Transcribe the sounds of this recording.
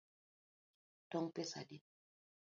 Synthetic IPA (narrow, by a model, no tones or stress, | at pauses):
tɔŋpesa̰di